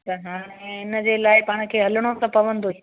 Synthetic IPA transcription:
t̪ɐɦaːɽ̃ẽɦɪnə̆d͡ʑeːlaːɪpaːɽ̃̆kʰeːɦɐləɽ̃osɐ̃pɐʋə̃nd̪oi

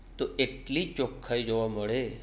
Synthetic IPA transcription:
t̪oʔeʈlit͡ʃokʰːaid͡ʒoʋaməɭe

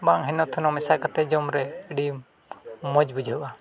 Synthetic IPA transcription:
baŋɦɛnɔt̪ʰːunɔmɛsakat̪ɛd͡ʒɔmɾɛəɖi | mɔd͡ʒbud͡ʒaʔa

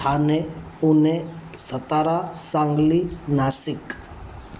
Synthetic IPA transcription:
aːne | ʊne | sət̪aːɾasãːŋɡlinaːsɪk

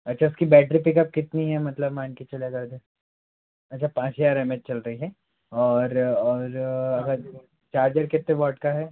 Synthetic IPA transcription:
ɐtːʃʰaʊskibɛːʈɾipɪkɐp̚kɪt̪niɦɛmɐt̪ləbmaːnkit͡ʃɐljaɡɐɾd̪ẽː | ɐtːʃʰapãːt͡ʃjaːɾɛmet͡ʃ̚t͡ʃɐlɾɐɦiɦɛ | ɔːɾɔːɾɐɡəɾ | t͡ʃaːɾd͡ʒəɾkɪt̪ːebɔːʈkaɦɛː

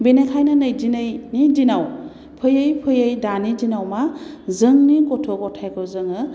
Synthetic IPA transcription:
binekʰajnanɯjzinɯjnidinaw | pʰɯjɯjpʰɯjəjdanizinawma | zɯŋnikɔtʰɔkɔtʰajkʰɔzɯŋɯ

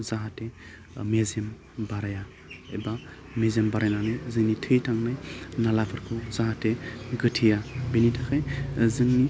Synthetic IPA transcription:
zaɦate | mezem | baɾaja | ḛba | mezembaɾajnanɯjzɯŋnitʰɯjtʰaŋnajnalapʰɯɾkʰuzaɦateɡɯtʰijabenitʰakʰajzɯŋni

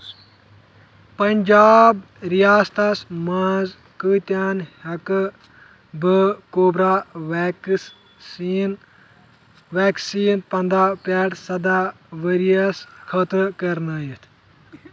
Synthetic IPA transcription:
pɐnʲd͡ʒaːb | ɾijaːst̪ɐsmaːz | kɨt̪jaːnhɐk | bəkoːbɾaː | n | ʋaːksiːnpɐnd̪ɾaːpɛːʈsɐd̪a | ʋəɾijɐskʰɐt̪ɾkɐɾnaːjit̪ʰ

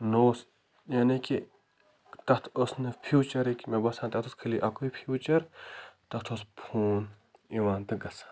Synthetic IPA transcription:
noːs | jaːneki | t̪ɐt̪ʰosnɨpʰjuːt͡ʃɐɾikmebɐsãːnt̪ɐt̪oskʰɐliʔɐkoipʰjuːt͡ʃɐɾt̪ɐt̪ʰospʰuːn | iʋaːnt̪ɨɡɐsḁː

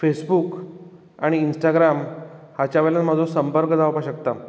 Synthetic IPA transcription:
fesbuk | aɽ̃iːnsʈaɡɾamhat͡ɕaʋelanməd͡zʱosəmpəɾkd͡zaʋpaɕəkt̪a

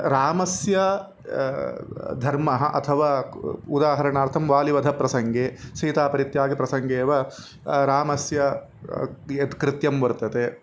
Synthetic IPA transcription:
ɾaːmɐsjɐ | d̪ʱɐɾmɐɦɐʔɐ̰t̪ʰɐʋaːud̪aːɦɐɾɐɳaːɾt̪ʰɐmʋaːliʋɐd̪ʱɐpɾɐsɐŋɡeːsɐːt̪aːpɐɾit̪jaːɡipɾɐsɐŋɡeːʋɐ | ɾaːmɐsjɐ | et̪kɾɪt̪jɐmʋɐɾt̪ɐt̪e

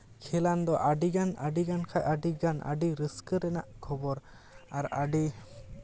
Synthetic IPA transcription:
kʰɛland̪ɔʔaɖiɡanaɖiɡankʰajʔaɖiɡanʔa̰ɖiɾəskəɾɛnaʔkʰɔbɔɾ | aɾaɖi

